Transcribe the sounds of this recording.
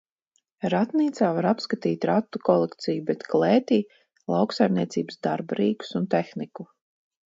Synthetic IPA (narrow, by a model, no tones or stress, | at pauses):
ɾat̪niːt̪saːvaɾapskat̪iːt̪ʲɾat̪ːukɔlˠekt̪sijubɛt̪kleːt̪iː | lˠawksajmniɛt̪siːbsd̪aɾbaɾiːku̥sunt̪exniku